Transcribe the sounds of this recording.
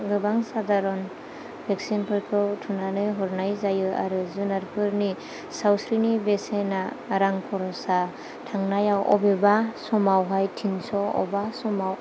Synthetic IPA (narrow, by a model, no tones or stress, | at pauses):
ɡɯbaŋsadaɾɔn | beksinpʰɯɾkʰɯwtʰunanɯjɦɔɾnajzajɯa̰ɾɯzunaɾpʰɯɾni | sawsɾinibesena | ɾaŋkʰɔɾɔsa | tʰaŋnajawʔɔ̰bebasɔmawɦajtʰinsɔɔ̰basɔmaw